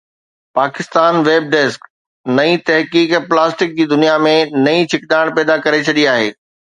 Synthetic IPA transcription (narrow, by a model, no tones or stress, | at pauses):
paːkɪst̪aːnʋeːb̚ɖeːsk | nɐĩt̪ɐɦkiːkplaːsʈɪk̚d͡ʑiːd̪ʊnijamẽnɐĩt͡ɕʰɪkɗ̪aːɪɽ̃pɛːd̪akɐɾet͡ɕʰɐɗiaːɦḛː